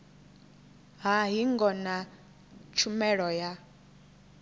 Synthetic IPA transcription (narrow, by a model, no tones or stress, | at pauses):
ɦaɦiŋɡɔna | t͡ʃʰumɛɺɔja